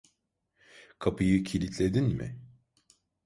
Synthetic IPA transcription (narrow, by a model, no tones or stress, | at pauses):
kʰapʰɯjɯcʰilʲit̪ʰlʲe̞d̪inmɪ̰